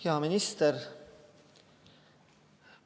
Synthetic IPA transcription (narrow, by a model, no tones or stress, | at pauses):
ɑmɪnɪst̪əɾ